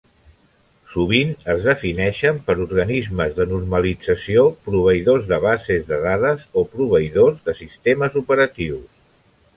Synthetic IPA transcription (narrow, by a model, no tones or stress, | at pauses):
suβ̞inəzðəfinɛʃəmpəɾuɾɣənizməzðənurməlid͡zəsiopɾuβ̞əiðozðəβazezðəðaðəzopɾuβ̞əiðozðəsist̪eməzupəɾət̪iws